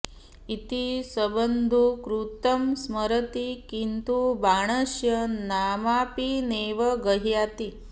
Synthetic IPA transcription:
it̪isɐbənd̪ʱukɾut̪ɐmsməɾət̪ikint̪ubaːɽ̃ɐʃjɐnaːmaːpineʋɐɡəɦjaːt̪i

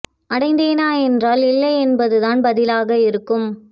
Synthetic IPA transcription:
ʔɐɽɐɪnd̪eːnaːɛndraːlɪlːɐɪɛnbɐðɯðaːnbɐðɪlaːɣɐɪɾɯkːɯm

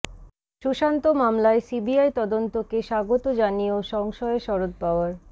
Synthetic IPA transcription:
ʃuʃant̪omamlaesibiajt̪ɔd̪ont̪okeʃaɡot̪od͡ʑanioʃɔŋʃɔeʃɔɾod̪̚paoaɾ

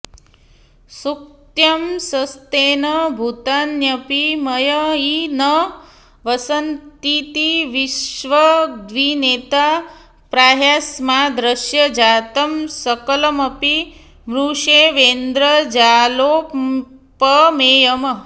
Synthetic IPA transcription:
suk̚t̪jəmsəst̪enəbʱut̪anjəpiməjəinə | ʋəsənt̪it̪iʋiʃʋəd̪ʋinet̪a | pɾaːɦasmad̪ɾəʃjəd͡ʒat̪əmsəkələməpi | mɾuʃeʋend̪ɾəd͡ʒalo | pəmejəmə

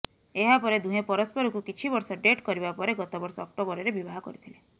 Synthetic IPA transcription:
eɦapɔɾed̪ũɦepɔɾɔspɔɾukukit͡ʃʰibɔɾsɔɖeʈkɔɾibapɔɾeɡɔt̪ɔbɔɾsɔːk̚t̪obɔɾeɾebibaɦɔkɔ̰ɾit̪ʰile

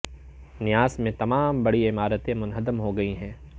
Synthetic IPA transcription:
nɪjaːsmẽt̪ɐmaːmbɐɽiɪmaːɾət̪ẽmʊnɦəd̪əmɦoɡɐiɦɛ̃ː

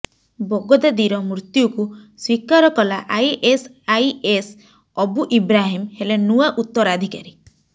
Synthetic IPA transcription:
bɔɡɔd̪ed̪iɾɔmɾt̪jukuswikaɾɔkɔlaʔajʔes | ajes | ɔbuʔibɾaɦimhelenuaʔut̪ːɔɾad̪ʱikaɾi

